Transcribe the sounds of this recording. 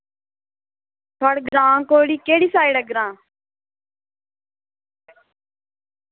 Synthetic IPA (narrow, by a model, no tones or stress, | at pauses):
t̪ʰɔɽɡɾãːkoːɪɽiːkeːɽiːsaːiɽəɡɾãː